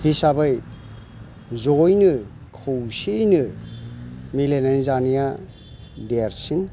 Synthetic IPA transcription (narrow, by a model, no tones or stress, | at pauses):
hisabɯj | zɔjnɯ | kʰɯwsijnɯ | milenajzanija | deɾsin